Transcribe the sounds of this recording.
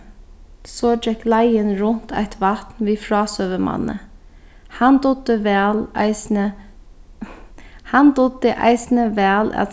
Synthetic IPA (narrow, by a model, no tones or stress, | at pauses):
sɔd͡ʒɛklæɪənɾʊnt̪ʰæ̰ɪt̪ʰʋɑt̪nʋiːfɾɑːsøːʋəmɑ̰nə̰ | hɑnd̪ʊd̪əʋɛːlɪsnə | hɑnd̪ʊd̪əʔæ̰ɪsn̩əʋæːlʔa̰t̪